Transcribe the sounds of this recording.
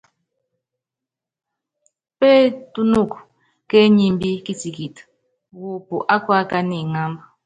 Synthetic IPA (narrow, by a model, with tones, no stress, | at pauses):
pɛ˦tu˦nu˦˨k | kɛ˦ɲi˦mbi˦ki˦ti˨ki˨t | wu˨pu˨ʔa˦kwa˦ka˦ni˨ŋa˦mb